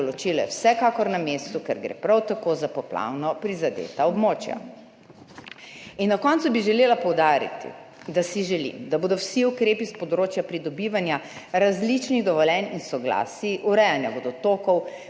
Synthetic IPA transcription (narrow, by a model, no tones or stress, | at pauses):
lɔt͡ʃilɔjɛ̰wsɛkaːkɔɾnamest̪ukɛ̰ɾɡɾḛpɾawt̪akozapɔpla̰wnɔpɾizad̪ḛːt̪aɔbmoːt͡ʃja̰ | inːakɔnt̪subiʒɛleːlapɔwd̪aːɾḭt̪ḭ | d̪asiʒɛlḭmd̪aboːd̪ɔwsiukɾeːpispɔd̪ɾoːt͡ʃjapɾid̪ɔbiːʋanja | ɾazlit͡ʃniɣd̪ɔʋɔlɛninsɔɡla̰ːsiʔuɾɛjanjaboːd̪ɔt̪oːkɔw